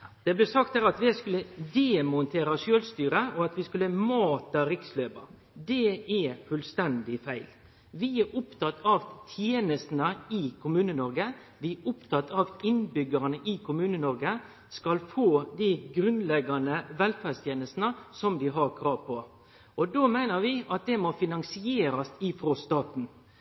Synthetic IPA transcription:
d̪̥ɛblɛsɑkt̪hæːɾɑt̪ʋɪskʉlːəd̪eːmʊnt̪ʰeːɾɑʃøːlst̪yːɾəɔɑt̪ʋɪskʉlːəmɑːt̪əɾɪksløːbɑ | d̪ɛɛfʉlst̪ɛnd̪ɪfæɪl | ʋɪæʊpt̪ʰɑt̪ːɑʋt̪ʰjeːnəst̪nəɪkʰʊmʉːnənɔɾɡə | ʋɪʊpt̪ʰɑt̪ːʰɑʋɪnbʏɡəɾnəʔɪkʰʊmʉːnənɔɾɡə | skɑlfoːd̪ɪɡɾʉnlɛɡɑnəʋɛlfæɾst̪jeːnəst̪nəsɔmd̪ɪɦɑɾkʰɾɑːʋpʰɔ | ɔd̪oːmæɪnəɾʋɪɑt̪̚d̪ɛmɔfɪnɑŋsɪeːɾɑst̪ɪfɾɔst̪ɑːt̪n̩

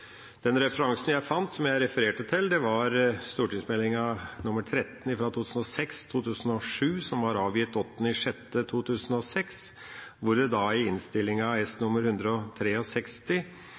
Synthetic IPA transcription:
d̪̥ɛnɾɛfəɾɑŋsənjæɪfɑnt̪sɔmjæɪɾɛfəɾeːʈət̪ʰɪld̪ɛʋɑɾst̪uːʈɪŋsmɛlɪŋɑnʊmːəʈ̪ʰɾɛt̪ːn̩ɪfɾɑt̪ʰut̪ʰʉːsn̩ɔsɛkst̪ʰuːt̪ʰʉːsn̩ɔʂʉːsɔmʋɑɾɑːʋjɪt̪ːɔt̪ːnɪʂɛt̪ːət̪ʰuːt̪ʰʉːsən̩ɔsɛks | ʋʊɾd̪ɛd̪ɑɪɪnst̪ɪlːɪŋɑɛst̪nʊmːəɾhʉnd̪ɾəɔt̪ʰɾeːɔsɛkst̪ɪ

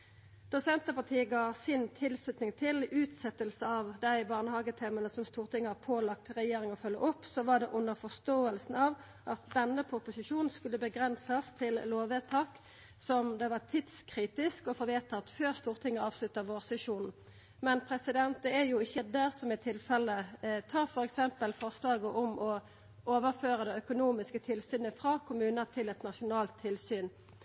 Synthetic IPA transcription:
d̪̥ʊsɛnt̪əpɑʁt̪ʰiːəɡɑːsɪnt̪ʰɪlslʉt̪nɪŋt̪ʰɪlʉːt̪sɛt̪ːəlsəɑʋd̪æɪbɑːʁnəhɑːɡət̪ʰɛːmənəsɔmst̪uːʁt̪ʰɪŋːəɑpʰoːlɑk̚t̪ʁɛjeːɾɪŋɔfœlːə̰ʔɔpːsɔʋɑɖ̪ɛʔʊnːəʁfɔst̪oːəlsn̩ɑʋ | ʔɑt̪̚d̪ɛnːəpʰʊpʊsɪʃuːnn̩skʉlːəbəɡʁɛnsəst̪ʰɪlloːʋet̪ʰɑːk | sɔmd̪ɛʋɑt̪ʰɪd̪skʰʁiːt̪ɪskɔfɔʋeːt̪ɑɑt̪føːʁst̪uːʁt̪ʰɪŋːəɑːʋslʉt̪əʁʋoːʁsɛʂuːnn̩ | mɛnpʰʁɛsɪd̪ɛnt̪əɛjʊɪçːəd̪æʁsɔmɪt̪ʰɪlfɛlət̪ʰɑːʁfɔɾɛksɛmpəlfɔʁslɑːɡəʔʊmʔɔ | oːʋəʁføːʁəd̪ɛœkʊnuːmɪskət̪ʰɪlsyːnəfɾɑːkʰʊmʉːnəʁt̪ʰɪlɛt̪nɑʂʊnɑːlt̪ʰːɪlsyːn

